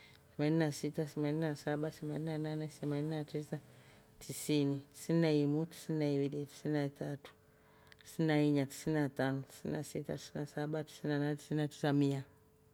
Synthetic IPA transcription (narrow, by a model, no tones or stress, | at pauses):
θɛmaninasitaθɛmaninasaɓaθɛmaninananɛθɛmaninatisa | tʰisiniti̥sininaimuti̥sininaiwiliti̥sininatatu̥ | ti̥sininaiɲati̥sininatanɔti̥sḭninasita̰ti̥sinasaɓati̥sininananɛti̥sininati̥samia